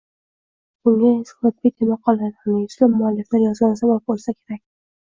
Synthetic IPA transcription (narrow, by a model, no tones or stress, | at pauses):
bʊŋɡaɪsɒt̪̚bit̪ʰemaqʰːɒlˠad̪hamɪjʊslɪmːʊalːɪflaɾjɒzɡʲansabap̚bolˠsakʲʰeɾak̚ʲ